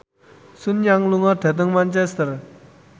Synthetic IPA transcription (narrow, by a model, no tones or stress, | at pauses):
sunjaŋluŋat̪ʰet̪̬aŋmant͡ɕest̪ər